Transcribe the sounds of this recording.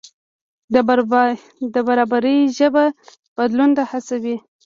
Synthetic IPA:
d̪əbaɾɑbaɾəjʒəba | b̥ad̪lund̪ahasawi

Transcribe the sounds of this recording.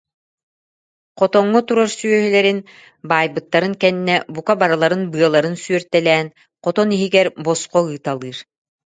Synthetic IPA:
qɔt̪ɔŋːɔt̪uɾaɾsyœɦylɛɾin | baːjbɯt̪ːaɾɯŋkɛnːɛbukabaɾalˠaɾɯnbɯɐlˠaɾɯnsyœɾt̪ɛlɛːn | qɔt̪ɔniɦiɡɛɾbɔsqɔɯːt̪alˠɯːɾ

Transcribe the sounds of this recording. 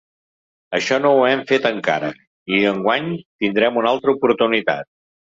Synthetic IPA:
əʃɔnowɛmfet̪əŋka̰ɾə̰ | iəŋɡwaɲt̪ind̪ɾɛmunalˠt̪ɾəupuɾt̪unit̪a̰t̪̚

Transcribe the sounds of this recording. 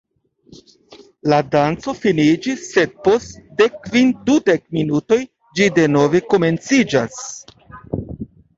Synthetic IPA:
ladant͡so̞finid͡ʒisːe̞d̚po̞stde̞kːvindude̞k̚minuto̞j | d͡ʒide̞no̞ve̞ko̞me̞nt͡sid͡ʒas

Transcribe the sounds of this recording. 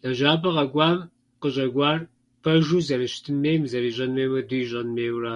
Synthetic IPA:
dɐʒaːbɐʁɐɡʷɑːm | qəɕʼɐɡʷɑːr | pʰɐʒuːzɐrɨʃtʰɨmːeːjmzɐɾiːʑʼɐnmeːwɐduʒʼɐnmeːwraː

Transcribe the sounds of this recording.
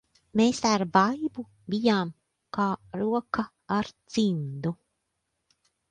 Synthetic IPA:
meːsaɾbajbu | bijaːm | kaːɾuɔka | aɾz̥ind̪u

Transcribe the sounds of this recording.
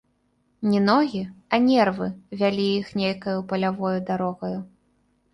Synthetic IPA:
nʲinɔɣʲiɐnʲɛrvɨvʲalʲijixnʲejkɐjupɐlʲavɔjud̪aɾɔɣɐju

